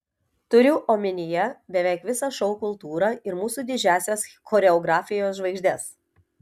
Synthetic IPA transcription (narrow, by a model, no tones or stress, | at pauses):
t̪ʊɾʲʊʔoːmʲɪnʲɪjɛbʲɛʋʲɛˑɪkʋʲɪsɑʃɔʊkʊlˠt̪uːɾɑɪɾmuːsuːd̪ʲɪd͡ʒʲæːsʲɛsxɔːɾʲɛɔɡɾɑːfʲɪjoːsʒʋɐɪɡʲʒʲd̪ʲɛs